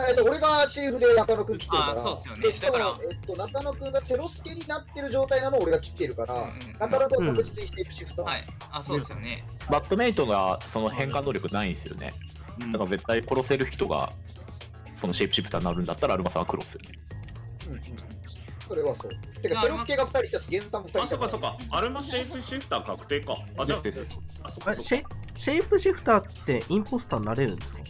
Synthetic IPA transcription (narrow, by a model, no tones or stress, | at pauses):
e̞t̪ːoːɾe̞ɡaɕiɯɸɯ̟d̪e̞nakanokɯ̟ŋkʲi̥t̪ːeɾɯ̟kaɾa | d̪eɕi̥kamo̞e̞t̪ːo̞nakano̞kɯ̟̃ŋɡat͡se̞ɾo̞sɨ̥ke̞ɲ̟inat̪ːe̞ɾɯ̟ʑo̞ːt̪ainanoːɾe̞ɡakʲi̥t̪ːeɾɯ̟kaɾa | nakanakɯkakɯ̟d͡ʑit͡sɨɲiɕepɯ̟ɕipːɯ̥t̪a | soon | bat̪ːo̞me̞it̪onoasonohẽ̞ŋkãnːoːɾjo̞kɯ̟naĩsɨjo̞̰nḛ | d̪akaze̞t̪ːaiko̞ɾo̞se̞ɾɯ̟çi̥t̪o̞ɡa̰ | so̞no̞ɕe̞ipɯ̟ɕipʰɯ̥t̪aːnːaɾɯ̟̃nd̪at̪ːaɾaːɾɯ̟masãŋɡakɯ̟ɾosɨjo̰ne | ɯ̃ɴ̃ | so̞ɾe̞βaso̰ːt̪ːekasoɾeskeɡaɸɯ̟̥t̪aɾʲit̪asɡẽzɨt̪ãmofɯ̟t̪aisokːasokːaaɾɯ̟maɕeiɸɯɕipɯ̟̥t̪aːkakɯ̟̥t̪eːkaaasd̪esoaɕeɕeipɯ̟ɕiɸɯ̟̥t̪aːt̪ːe̞ʔĩmpo̞sɨ̥t̪anːaɾe̞ɾɯ̟̃nd̪esɨ̥kɑ̰